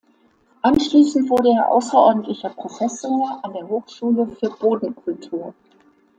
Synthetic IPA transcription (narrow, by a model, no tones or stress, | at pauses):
ʔanʃliːsn̩tv̥ʊɐɾəeːɐʔa̰ʊsɐʔɔɐdn̩tlɪçɐpʁ̥ofɛsoːɐʔandeːɐɦoːxʃuːləfyːɐboːdn̩kʰʊltʰuːɐ